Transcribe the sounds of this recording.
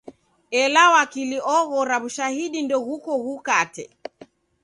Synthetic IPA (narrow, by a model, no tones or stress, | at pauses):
ɛlawakiliɔɣɔɾaβuʃahiɗindɔɣukɔɣukatɛ̰